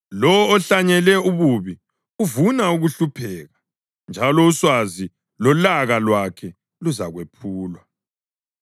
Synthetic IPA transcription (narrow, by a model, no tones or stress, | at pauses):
lɔːɬaɲɛlɛuβuβi | uvunauɣuɬupʰɛːɣa | nd͡ʒʱalɔuswazi | lɔlaɣalwakʰɛ | luzaɣwepʰuːlwa